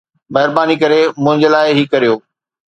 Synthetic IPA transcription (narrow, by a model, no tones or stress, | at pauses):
mɐɦɪɾbaːnikɐɾemʊ̃ɦɪ̃ɲd͡ʑəlaːɪɦikɐɾijoː